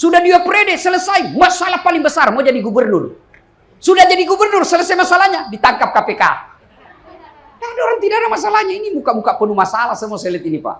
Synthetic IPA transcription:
sudahduapɾɛdɛsələsaimasalahpaliŋbəsarmɔd͡ʒadiɡubərnur | sudahd͡ʒadiɡubərnursələsajmasalahɲadit̪aŋkap̚kapeka̰ | dadaɔɾaŋt̪idadamas̬alahɲainimukamukapənumasalahsəmuɔsɛlɛt̪inipa̰

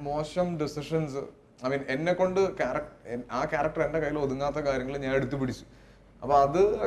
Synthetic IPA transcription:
mo̞ːɕɐmɖisiʂɐnsɨ | ɐmiːnenːe̞kːo̞ɳɖɨkaːrɐkʈeaːkaːrɐk̚ʈɐrenɖekɐjːilo̞ðuŋːaːt̪ːɐkaːɾjɐŋːɐɭɨɲaːne̞ɽut̪̬ːup̬iɽit͡ɕːu̥ | ɐ̰pːoːɐðɨ

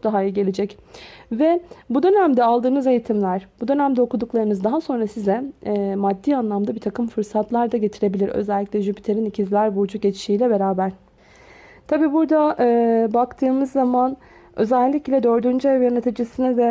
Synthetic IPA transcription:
k̚d̪aɦajɯɟe̞lʲed͡ʒɛc | vɛbud̪ø̞næmd̪ɛalˠd̪ɯːnɯze̞jit̪ʰimlʲæɾ̥bud̪ø̞næmd̪ɛo̞kud̪uklˠaɾɯnɯzd̪aɦaso̞nɾasizɛːmad̪ːiːanlˠamd̪abiɾt̪ʰakɯmfɯɾsat̪ʰlˠaɾd̪aɟe̞t̪ʰiɾe̞bilʲiɾø̰zælʲːiclʲɛʒybit̪ʰe̞ɾinicʰizlʲæɾbud͡ʒuɟet͡ʃʰi̥ʃiːlʲɛbe̞ɾaːbæɾ̥ | t̪ʰabiːbuɾd̪aʔɯːbakt̪ʰɯːmɯzːaman | ø̞zɛlʲːiclʲɛd̪ø̞ɾd̪ynd͡ʒɛvjanet̪ʰid͡ʒisinɛvɛ

